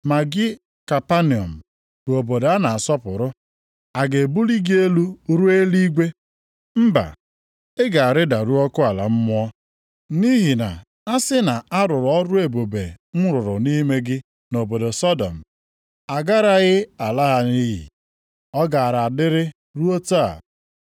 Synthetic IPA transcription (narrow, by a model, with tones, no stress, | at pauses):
ma˨ɡɪ˦ | ka˨pa˦ni˨ɔ̰˨m̩˨ | bo˨bo˨da˦na˨a˨sɔ˦pʊ˨ɾʊ˦ | a˨ɡe˨bu˦li˦ɡi˦e˦lu˦ɾu˦e˦li˦ɡʷe˦ | m̩˦ba̰˨ | ɪ˦ɡa˨a˨ɾɪ˦da˨ɾu˦ɔ˦kʊ˦a˨la̰˨m̩˦mʊ˦ɔ˦ | ni˦ɦi˨na̰˨ | a˦sɪ˦na˨a˦ɾʊ˨ɾɔ˦ɾʊ˦e˨bo˨be˨m̩˦ɾʊ˨ɾʊ˨ni˦me˦ɡɪ˦ | no˨bo˨do˨sɔ˦dɔ̰˨m̩˨ | a˨ɡa˦ɾa˦ɣɪ˦a˨la˦ɦa˦ni˦ɦḭ˨ | ɔ˦ɡa˨a˨ɾa˨a˨dɪ˦ɾɪ˦ | ɾu˦o˦ta˦a̰˨